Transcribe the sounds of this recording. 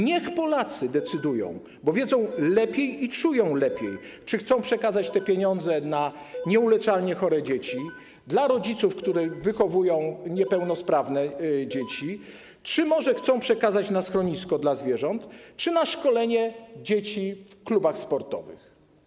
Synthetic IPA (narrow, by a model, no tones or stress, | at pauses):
ɲɛxpɔlat̪sɘd̪ɛt̪sɘd̪ujɔ̰̃w̃ | bɔvʲjɛd̪zɔ̃w̃lɛpʲjejit͡ʂujɔ̃w̃lɛpʲjej | t͡ʂɘxt̪sɔ̃w̃pʂɛkazat͡ɕt̪ɛpʲjeɲɔnd̪zɛna | ɲɛulɛt͡ʂalɲɛxɔɾɛd͡ʑet͡ɕi | d̪laɾɔd͡ʑit̪sufkt̪uɾɛvɘxɔvujɔ̃w̃ɲɛpɛwnɔspɾavnɛd͡ʑet͡ɕi | t͡ʂɘmɔʐɛxt̪sɔ̃w̃pʂɛkazat͡ɕnasxɾɔɲiskɔd̪lazvʲjɛʐɔnt̪t͡ʂɘnaʂkɔlɛɲɛd͡ʑet͡ɕifklubaxspɔɾt̪ɔ̰vɘ̰x